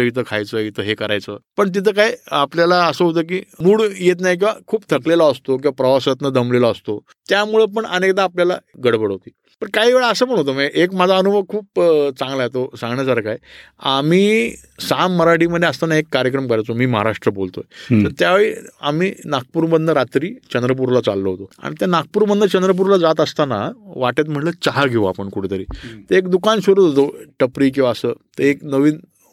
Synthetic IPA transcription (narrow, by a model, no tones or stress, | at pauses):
əit̪ʰəkʰa̰jt͡səit̪ʰəɦekəɾa̰jt͡sə̰ːpəɳt̪̬it̪ʰəːkajapljalaəsəɦot̪əːk̬iːmuːɭjet̪̬najk̬ĩw̃ʋa̰kʰuːpt̪ʰəklelaəst̪ok̬ĩw̃ʋapɾəʋasət̪nəd̪əmleloəst̪o | t̪jamuɭəp̬əɳənekt̪aːpljala̰ɡəɽbəɽɦot̪iː | pəɳkaɦiʋeɭəəsəpəɳ̃ɦot̪̬omaɡeʔekmad͡zʱaənubʱəkʰuːpt͡sãŋɡlaet̪osãŋɡɳjasaɾkaj | a̰miː | samːəɾaʈiːməd̪ʱːjeəst̪anaekːaɾjəkɾəmkəɾajt͡somiːməɦa̰ɾaʂʈɾəbolt̪o̰jt̪əɾt̪jaʋeɭiːa̰miːnak̚puːɾbənd̪ʱəɾat̪ɾiːt͡ɕənd̪ɾəp̬uɾlat͡sa̰lːoɦot̪oa̰ɽ̃it̪janak̚puːɾbənd̪ət͡ɕənd̪ɾəp̬uɾlad͡zat̪əst̪anaʋaʈjet̪̬m̤əɳlət͡ɕaɦaɡʱeʋoapəɳkuʈʰet̪əɾiːt̪əekd̪ukanɕoɾuːt̪ɦot̪oʈəpɾiːkĩw̃ʋaəsəːt̪əeknəʋiːn